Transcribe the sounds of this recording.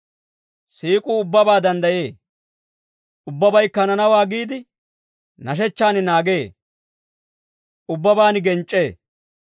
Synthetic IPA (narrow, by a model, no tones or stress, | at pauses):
siːkʼuːʊbːɐbaːd̪ɐnd̪ɐje̞ː | ʔʊbːɐbɐjkːɐnɐnɐwaːɡiːd̪ɪ | nɐʃ̬ɛt͡ʃːaːnɪnaːɡe̞ː | ʔʊbːɐbaːnɪɡɛnt͡ʃʼːe̞ː